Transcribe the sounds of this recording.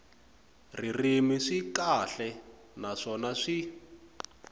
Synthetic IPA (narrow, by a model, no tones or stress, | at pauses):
ririmiʂikaɬɛ | naʂɔnaʂi